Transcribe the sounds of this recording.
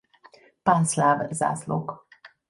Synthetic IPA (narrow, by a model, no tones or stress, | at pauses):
panslavza̰slo̰k